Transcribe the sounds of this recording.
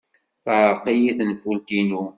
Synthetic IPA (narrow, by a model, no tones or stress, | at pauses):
θəʕqijiθnfult̪inu